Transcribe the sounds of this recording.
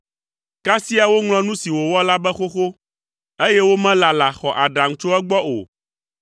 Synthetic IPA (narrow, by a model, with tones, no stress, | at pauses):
ka˦si˦a˨wo˦ŋlɔ̃˦nũ˦si˨wo˨wɔ˦la˦bɛ˦xo˦xo˦ | e˦jɛ˦wo˦mɛ̃˦la˨la˨xɔ˨ʔa˨ɖa˨ŋ̩˦t͡ʃo˦ɛ˦ɡ͡bɔ˦ʔo̰˨